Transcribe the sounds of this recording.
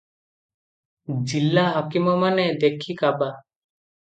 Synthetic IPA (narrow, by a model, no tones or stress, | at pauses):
d͡ʒilːaɦakimɔmaned̪ekʰikaba